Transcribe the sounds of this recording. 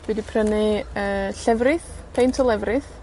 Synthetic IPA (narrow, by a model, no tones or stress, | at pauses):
dwidipʰrənɪəːɬɛvrɨθ | pʰejntʰɔlˠɛvrɨθ